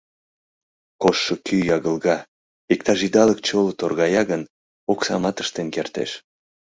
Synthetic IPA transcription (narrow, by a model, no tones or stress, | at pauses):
koʃːəkyjɑɣəlɣɑ | ik̚t̪ɑʒid̪ɑlək̚t͡ɕolot̪orɣɑjɑɣən | oksɑ̰mɑt̪ə̥ʃt̪enkert̪ḛʃ